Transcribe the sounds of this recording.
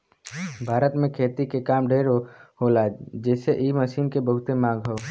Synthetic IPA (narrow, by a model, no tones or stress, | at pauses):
bʱaːɾət̪mẽkʰeːt̪ikekaːmɖʱeːɾɦoːlad͡ʒɛːseʔiːməʃiːnkebəɦʊt̪emãːɡɦoː